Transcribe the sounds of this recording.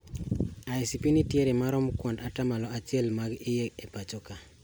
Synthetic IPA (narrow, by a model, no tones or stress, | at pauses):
aisipinitjeɾemaɾɔmkwɔndatamalɔat͡ʃjɛlmaɡɪjeepat͡ʃɔka